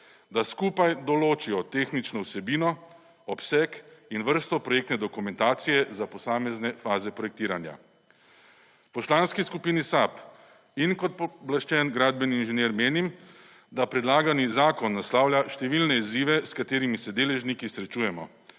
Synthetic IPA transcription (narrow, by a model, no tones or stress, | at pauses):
d̪askuːpajd̪ɔloːt͡ʃijɔt̪eːxnit͡ʃnɔwsɛbiːnɔ | ɔpsɛkinʋəɾst̪ɔpɾɔjeːk̚t̪nɛd̪ɔkumɛnt̪aːt̪sijɛzapɔsaːmɛznɛfaːzɛpɾɔjɛk̚t̪iːɾanja̰ | pɔslaːnskiskupiːnisap | inkɔt̪̚pɔblaʃt͡ʃɛnɡɾad̪̚bɛniːnʒɛnjeːɾmeːnim | d̪apɾɛd̪laːɡanizaːkɔnːaslaːwlʲjaʃt̪ɛʋilnɛiziʋɛskat̪eːɾimisɛd̪eːlɛʒnikisɾɛt͡ʃuːjɛmɔ